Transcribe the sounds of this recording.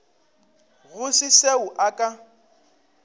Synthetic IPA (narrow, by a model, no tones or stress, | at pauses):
ɣʊsɪseʊʔakʼa